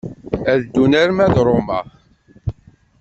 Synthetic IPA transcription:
æðd̪unæɾmæðɾˤomæ

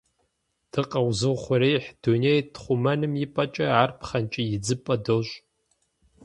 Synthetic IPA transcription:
d̥ɨqʼawzɨlχʷaɾejħd̥unejdχʷumanɨmjipʼat͡ʃʼaʕarpʰχant͡ʃʼɪjid͡zɨpʼɐdoɕʷʼ

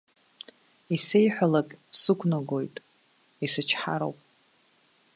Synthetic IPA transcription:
isejħʷᶣalakʼsɨkʷʰnaɡo̞jtʼ | isɨt͡ʃʰħa̰ɾo̰wpʼ

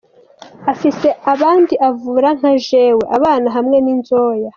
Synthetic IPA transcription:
afise̞aβaːndiʔavuːɾaŋ̥haʒe̞we̞ʔaβaːnaɦamŋe̞ninzoːja

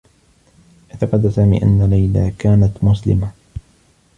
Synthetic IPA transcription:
ʔɪt̪aqɑd̪asaːmḭːʔa̰nːalajla̰ːkaːnat̪mʊslɪ̰ma

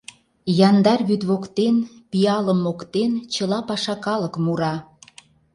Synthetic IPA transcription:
jɑnd̪ɑrβyt̪βokt̪enpiɑləmːokt̪ent͡ɕəlɑpɑʃɑkɑləkmuɾɑ

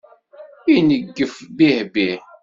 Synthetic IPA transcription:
inəɡːəfbihbi

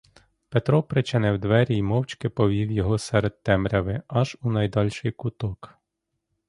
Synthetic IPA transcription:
pet̪ɾɔpɾɪt͡ʃʲɐnɛwd̪ʋɛɾʲijmɔwt͡ʃʲkɪpɔʋʲiwjɔɦɔsɛɾed̪̚t̪ɛmɾʲɐʋɪɐʒunɐjd̪ɑlʲʃɪjkʊt̪ɔk

